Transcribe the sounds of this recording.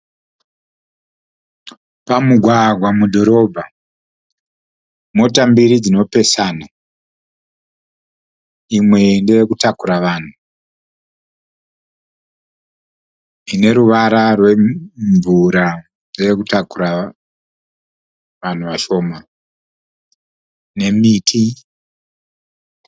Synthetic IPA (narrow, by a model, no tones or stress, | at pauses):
pamuɡʱwaɡʱwamudʱo̞ɾo̞bʱa | mo̞tambiɾid͡zino̞pe̞sana | imwe̞ndeekutakuɾaʋaːn̤u | ine̞ɾuʋaɾarwe̞ɱvuɾa | deekutakuɾa | ʋan̤uʋaʃo̞ːma | ne̞mitʰi